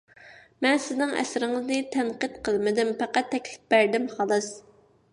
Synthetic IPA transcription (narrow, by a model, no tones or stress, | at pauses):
mɛnsɪznɪŋɛ̰sɾɪŋɨznɨt̪ʰɛnqɨt̪qʰəlˠmɪd̪ɪmpæqɑt̪ʰːɛkʲlɪ̥p̚bæɾd̪ɪmχɑlˠɨs